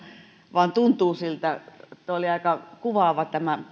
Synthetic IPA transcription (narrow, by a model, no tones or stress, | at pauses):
ʋɑːnt̪unt̪uːsilt̪æet̪ːæoliɑikɑkuʋɑˑʋɑt̪æmæ